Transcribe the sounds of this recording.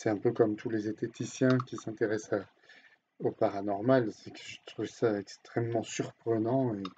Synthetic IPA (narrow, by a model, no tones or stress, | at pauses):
sɛɛ̃pøkɔmt̪ʰulezet̪et̪isjɛ̃kʲisɛ̃t̪eʁɛsa | opaʁanɔʁmalsɛkəʒət̪χuvsaɛkst̪χɛmːɑ̃syʁpχənɑ̃e